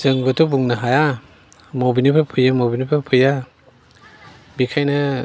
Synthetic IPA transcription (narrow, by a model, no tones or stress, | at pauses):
z̥ɯŋbɐtʰɔbuŋnɐɦaja | mobinipʰapʰɯjamobinipʰapʰɯja | bikʰajnɐ